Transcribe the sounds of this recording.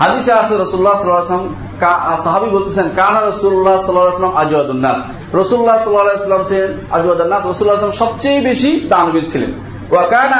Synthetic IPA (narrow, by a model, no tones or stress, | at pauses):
ɦad̪iseasoɾɔsululːasɔlalsm | kasaɦabibolt̪ʰisʰenkanaɾɔsululːasɔlːalasɔlɐmad͡ʒuwad̪unːa̰s | ɾɔsululːasɔlːalajsɔlːamsen | ad͡ʒuad̪unːasɾɔsululːas̬lmsɔb̚t͡ɕejbeʃid̪anubiɾt͡ɕʰilḛn | wakana